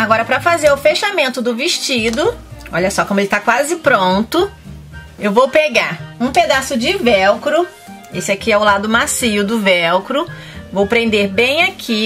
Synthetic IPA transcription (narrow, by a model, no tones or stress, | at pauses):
aɡɔɾɐpɾɐfazeɾʊfeʃamẽnt̪ʊd̪ʊviʃt͡ʃid̪ʊɔʎɐsɔkõmʊelɪt̪akwazɪpɾõnt̪ʊ | ewvowpeɡaɾũped̪asʊd͡ʒɪvɛwkɾʊ | esɪakiɛʊlad̪ʊmasiʊd̪ʊvɛwkɾʊ | vowpɾẽnd̪eɾbẽj̃akʰi